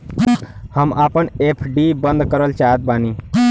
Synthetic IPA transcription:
həmaːpənepʰɖibənd̪kəɾəlt͡ʃaɦət̪̚baːniː

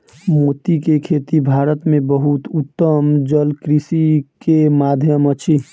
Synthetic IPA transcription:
mot̪ikekʰeːt̪ibʱaːɾət̪mẽbəɦut̪ʊt̪ːəmd͡ʒəlkɾisikemaːd̪ʱjəmət͡ʃʰi

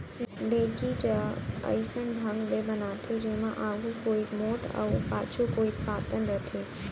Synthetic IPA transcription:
ɖeːkid͡ʒəə̰ɪsənbʱə̃ŋɡbebɐnaːt̪ʰed͡ʒeɦmã̰ʔaːɡʱukoːikmoːʈə̰ʊpaːt͡ʃʰukoːik̚paːt̪ənɾət̪ʰeː

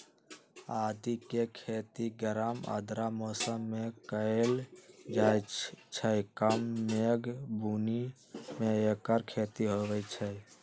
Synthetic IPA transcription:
ad̪ikekʰet̪iɡəɾamə̰d̪ɾamosəmːekəeld͡ʒajt͡ʃʰəjkəmːeɡbuni | meekəɾkʰet̪iɦowɛt͡ʃʰɛ

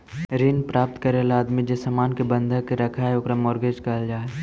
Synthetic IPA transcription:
ɾinpɾaːp̚t̪kɐɾelaːd̪mid͡ʒesamaːnkebə̃nd̪ʱəkeɾɐkʰaeokɾamɔːɾɡeːd͡ʒkɐld͡ʒaːe

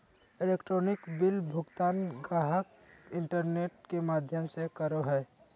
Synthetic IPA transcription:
eleːkʈɾonɪkbɪlbʱʊɡt̪aːnɡaɦək | ɪɳʈəɾneːʈ̚kemaːd̪ʱjəmsekəɾoɦɛ

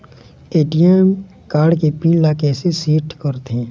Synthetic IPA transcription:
eːʈijɛm | kaːɽkepiːllːakɛːsesiːʈkəɾt̪ẽː

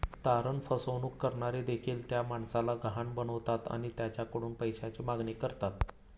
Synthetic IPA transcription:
t̪aɾəɳfəsəʋnuːkːəɾɳaɾid̪ekʰiːlt̪jamaɳsalaɡəɦaɳbənəʋt̪at̪a̰ɽ̃it̪jat͡ɕjakəɽuːnpəjɕat͡ɕiːmaɡɳiːkəɾt̪at̪̚

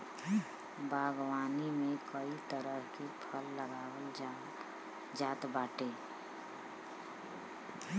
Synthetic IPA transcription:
bʱaɡwaːnimẽkəit̪əɾəɦkipʰəlːəɡaːwəld͡ʒ | d͡ʒaːt̪baːʈe

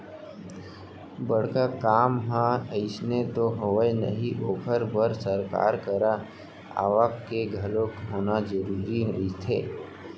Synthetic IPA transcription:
bəɽ̤kakaːmɦãəɪsnet̪oɦɐʋəjnə̰ɦiʔoːpʰəɾbəɾsəɾka̰ːɾkəɾa | a̰ːʋaːkkeɡʱɐlõkɦoːnazəɾuːɾiɦit̪ʰḛː

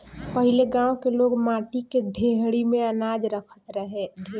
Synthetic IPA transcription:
pəɦɪleɡãːõkeloːɡmãːʈikeɖʱeɦɽimẽənaːd͡ʒɾəkʰə̥t̪ɾəɦeɖʱe

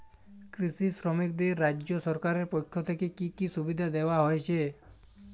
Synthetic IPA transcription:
kɾisisɾɔmik̚d̪eɾːad͡ʒːd͡ʒosɔɾkaɾeɾpojkʰːjot̪ʰekekikisubid̪ʱad̪eʋaɦojt͡ʃʰe

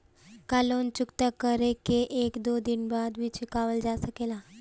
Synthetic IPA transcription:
kalont͡ɕukt̪əkəɾekeʔekd̪od̪inbad̪ʋit͡ɕikaʋəld͡zasəkela

